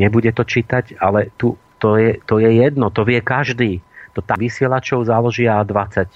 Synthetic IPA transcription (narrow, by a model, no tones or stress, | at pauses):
ɲɛbuɟɛt̪ɔt͡ʃiːt̪acalɛt̪u | t̪ɔjɛt̪ɔjɛjɛd̪nɔt̪ɔʋɪɛkaʒd̪iːt̪ɔt̪aʋisɪɛlat͡ʃɔʊzalɔʒiad̪ʋat͡sac